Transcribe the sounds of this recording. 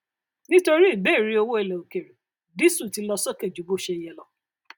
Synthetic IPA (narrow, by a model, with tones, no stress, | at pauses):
nĩ˦to˦ɾi˦i˦˨be˦˨ɾi˦o˧wo˦e˧˨le˨o˨ke˨ɾe˨ | di˦su˦˨ti˧lɔ˧sɔ˦ke˦˨d͡ʒu˨bo˦ʃe˧˦jɛ˦lɔ˧